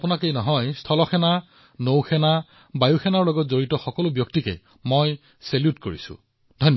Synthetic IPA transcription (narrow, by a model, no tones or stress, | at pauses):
pʊnakejnɔɦɔjstʰɔlɔxʰɛna | nowxɛna | bajuxʰɛnaɹlɔɡɔtzoɹitɔxɔkɔlʊbjɔktikɛ̰ | moj | seljutkoɹḭsʊ̰ | d̥ʱɔnː